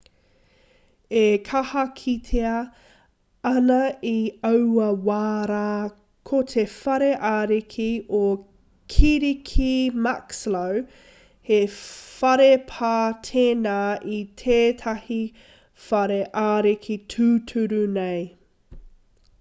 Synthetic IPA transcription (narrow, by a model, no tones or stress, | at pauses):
ekʰɐhɐkʰitʰeɐ | ɐnɐiɐwɐwaːɾaː | kʰotʰefɐɾeʔaːɾikʰio | kʰiɾikʰimakslow | hefɐɾepʰaːtʰeːnaːʔitʰeːtʰɐhi | fɐɾeʔaːɾikʰitʰʉːtʰʉɾunej